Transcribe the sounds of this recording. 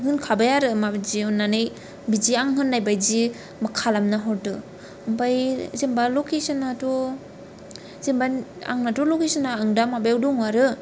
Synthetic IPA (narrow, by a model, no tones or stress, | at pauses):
ɦɯnkʰabajaɾɯmabzinanej | biziaŋɦɯnːajbajzi | makʰalamnaɦɔɾdɯ | ɯmbajzembalokʰesɯnato | zembaa̰ŋnatɔlokesɯnaːŋdamabajawdɔŋwaɾɯ